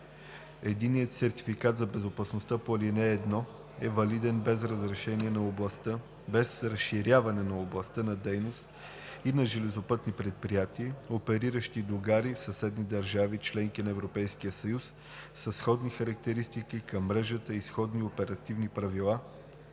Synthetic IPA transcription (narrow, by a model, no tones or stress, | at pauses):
ɛd̪inːijət̪sɛɾt̪i̥fikat̪zɐbɛzopɐsnost̪əpolinɛːd̪nɔ | ɛvɐlid̪ɛnbɛzɾəzɾɛʃɛniɛnɐob̪ˠt̪ə | bɛsɾəsʃːiɾʲavɐnɛnɐoblˠɐst̪ənɐd̪ɛjnost̪ | inɐʒɛlɛzopɤt̪nipɾɛt̪̚pɾijat̪iəopɛɾiɾəʃt̪id̪oɡaɾifsəsɛd̪nid̪ɐɾʒavit͡ʃlɛŋkinɐɛvɾopɛjskiəsɐjusː | əsxɔd̪nixɐɾək̚t̪ɛɾist̪ikikɐmːɾɛʒət̪əisxɔd̪niopɛɾɐt̪ivnipɾɐvilˠa